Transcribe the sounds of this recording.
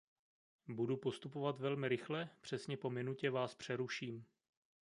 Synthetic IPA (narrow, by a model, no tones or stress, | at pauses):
budupo̞st̪upo̞vat̪vɛlmɪɾɪxlɛpr̥ɛsɲɛpo̞mɪnucɛvaːspr̝̥ɛɾuʃiːm